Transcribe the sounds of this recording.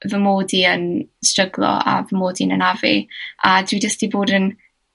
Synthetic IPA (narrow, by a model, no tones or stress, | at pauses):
vəmoːdiənstrəɡlˠɔ̰a̰vəmoːdinənavḭadwidəstiboːdən